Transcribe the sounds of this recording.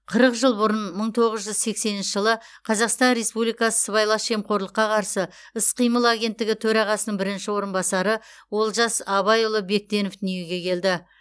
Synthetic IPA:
qʰəɾəqʒəlˠbʊɾənməɴt̪ʰo̞ʁəzʒʏzse̞kse̞nɪnʃɪʒəlˠə | qʰɑzɑqst̪ɑnɾe̞spublijkɑsə̥səβɑjlˠɑʃe̞mqo̞ɾlˠəqːɑqʰɑɾsəɪsqijməlˠaɡʲe̞nt̪ːɪɡʲɪt̪ʰɵɾɑʁɑsənəɴbɪɾɪnʃɪwo̞ɾənbɑsɑɾəwo̞lˠʒɑsɑβɑjʊlˠəbe̞k̚t̪e̞nofd̪ʏnje̞ɡʲe̞kʲʰe̞ld̪ɪ

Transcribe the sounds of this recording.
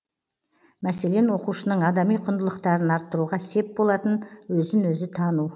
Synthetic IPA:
mæse̞le̞nwo̞quʃənəɴɑd̪ɑmijqʰʊnd̪əlˠəqt̪ɑɾənɑɾt̪ːəɾuʁɑse̞p̚bolˠɑt̪ənwɵzɪnwɵzɪt̪ʰɑnu

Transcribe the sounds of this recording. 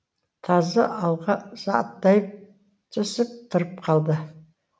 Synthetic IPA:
t̪ʰɑzəʔɑlˠʁɑzɑt̪ːɑjəp̚ | t̪ʰʏsɪp̚t̪ʰʊɾəp̚qʰɑlˠd̪ə

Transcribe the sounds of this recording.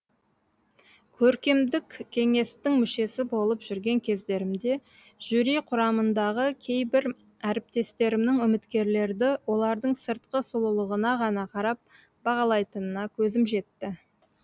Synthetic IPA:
kʲʰɵɾkʲe̞md̪ɪkʲʰːe̞ŋe̞st̪ɪŋmʏʃe̞sɪbo̞lˠəpʒʏɾɡʲe̞ŋkʲʰe̞zd̪e̞ɾɪmd̪e̞ | ʒ̥ʏɾijqʰʊɾɑmənd̪ɑʁəkʲʰe̞jbɪɾ | æɾɪp̚t̪e̞st̪e̞ɾɪmnɪŋʏmɪt̪kʲe̞ɾle̞ɾd̪ɪwo̞lˠɑɾd̪əɴsəɾt̪qəsʊlˠəlˠəʁənɑʁɑnɑqʰɑɾɑp̚ | b̥ɑʁɑlˠɑjt̪ənənɑkʲʰɵzɪmʒe̞t̪ːɪ

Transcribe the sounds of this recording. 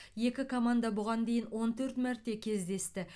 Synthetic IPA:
je̞kʲɪkʰomand̪abʊʁɑnd̪e̞jɪnwo̞nt̪ʰɵɾt̪mæɾt̪ːe̞kʲʰe̞zd̪e̞st̪ɪ

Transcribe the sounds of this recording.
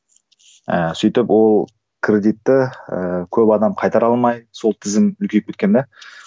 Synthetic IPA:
əsijt̪ɪpwo̞lˠ | kʰɾʲe̞d̪ijt̪ːɪkʲʰɵpɑd̪ɑmqʰɑjt̪ɑɾɑlˠmɑjso̞lˠt̪ʰɪzɪmʏlkʲe̞k̚ʰʲːet̪̚kʲemd̪e

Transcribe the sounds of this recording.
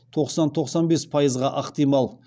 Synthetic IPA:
t̪ʰo̞qsɑnt̪ʰo̞qsɑnbe̞spʰɑjəzʁɑʔəqt̪ijmɑlˠ

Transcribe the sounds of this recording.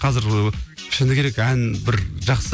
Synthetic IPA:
qʰɑzɪɾʰɪ̥ʃɪnd̪ɪkʲʰe̞ɾe̞kænbɪɾʒɑqs

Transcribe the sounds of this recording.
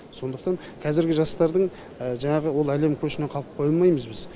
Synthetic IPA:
so̞nd̪əq̚t̪ɑɴ | qʰɑzɪɾɡʲɪʒɑst̪ɑɾd̪əɴ | əʒɑɴɑʁəwo̞lˠæle̞mkʲʰɵʃɪne̞qʰɑlˠəp̚qʰo̞jɑlˠmɑjməzbɪz

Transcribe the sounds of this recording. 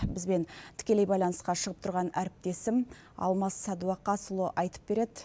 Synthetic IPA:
bɪzbe̞nt̪ʰɪ̥kʲe̞le̞jbɑjlˠɑnəsqɑʃəʁəp̚t̪ʰʊɾʁɑnæɾɪp̚t̪e̞sɪm | ɑ̰lˠmɑsːɑd̪uɑqːɑsʊlˠoʔɑjt̪ə̥p̚b̥e̞ɾe̞d̪ɪ

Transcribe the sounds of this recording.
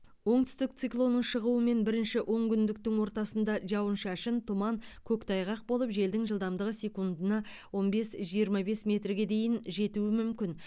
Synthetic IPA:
wo̞ɴt̪ʏ̥st̪ɪk̚t̪sɨiklˠo̞nəɴʃəʁuəme̞nbɪɾɪnʃɪʔo̞ɴkʲʏnd̪ɪkt̪ɪŋwo̞ɾt̪ɑsənd̪ɑʒɑwənʃæʃɪnt̪ʰʊmɑŋkʲʰɵkt̪ʰɑjʁɑq̚bo̞lˠəpʒe̞ld̪ɪŋʒəlˠd̪ɑmd̪əʁəsʲe̞kund̪ənɑ | wo̞nbe̞sʒijəɾmɑbe̞smʲe̞t̪rɡʲe̞d̪e̞jɪnʒe̞t̪uɪmʏmkʲɪn

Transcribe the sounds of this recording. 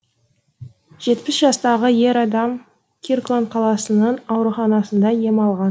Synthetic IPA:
ʒ̥e̞t̪pɪsʒɑst̪ɑʁəje̞ɾɑd̪ɑm | kʲʰirklˠonqʰɑlˠɑsənənɑwɾuχɑnɑsənd̪ɑje̞mɑlˠʁɑn

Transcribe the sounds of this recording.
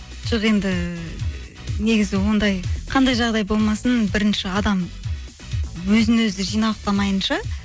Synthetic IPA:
ʒ̥oʁe̞nd̪ɪ | ne̞ɡʲɪzɪwo̞nd̪ɑjqʰɑnd̪ɑjʒɑʁd̪ɑjbo̞lˠmɑsənbɪɾɪnʃɪɑd̪ɑm | wɵzɪnwɵzɪʒijnɑwˠqt̪ɑmɑjənʃɑ

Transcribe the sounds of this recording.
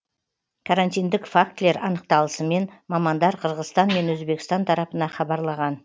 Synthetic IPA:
kʰaɾanʲt̪ijnd̪ɪkfak̚t̪le̞ɾɑnəq̚t̪ɑlˠəsəme̞nmɑmɑnd̪ɑɾqʰəɾʁəzt̪ɑnme̞nwɵzbe̞kʲst̪ɑnt̪ʰɑɾɑpənɑχɑbɑɾlˠɑʁɑn

